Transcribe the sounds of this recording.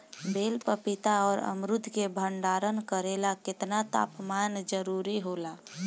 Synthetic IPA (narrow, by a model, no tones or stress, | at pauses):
beːlpəpɪt̪aɔːɾə̰mɾʊd̪ʱkebʱəɳɖaːɾənkəɾeːlakɪt̪nat̪a̰ːpmaːnd͡ʒəɾuɾiɦoːlaː